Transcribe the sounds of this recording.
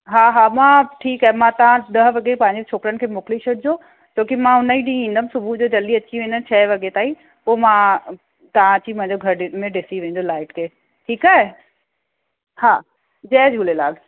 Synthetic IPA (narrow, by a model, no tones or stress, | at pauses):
ɦaːɦaːmãʈʰiːkaːɦemãt̪ɐʋ̤ãɗ̪ɐɦʋɐɡepɐ̃ɦɪ̃ɲd͡ʑet͡ɕʰoːkɾənɪ̆kʰeːmʊkliʃeʈ̚ʰd͡ʑoː | t͡ɕʰoːkimãɦʊnəiɗĩĩːnd̪əmsʊbʱud͡ʑoːd͡ʑɐld̪iɐt͡ɕiʋẽːn̆d̪ən̆t͡ɕʰɐɦeʋɐɠet̪aːi | poːmã | t̪ɐʋ̤ãt͡ɕimɐ̃ɦɪ̃ɲd͡ʑoɡʱɐɾmẽɖɪsiʋẽːnd̪olaːɪʈkʰeː | ʈʰiːkaːɦe | haː | d͡ʑɐːd͡ʑɡʊlelaːɡ